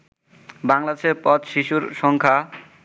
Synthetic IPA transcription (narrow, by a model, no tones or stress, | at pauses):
baŋlad̪eʃeɾpɔt̪ʃiʃuɾʃɔŋkʰa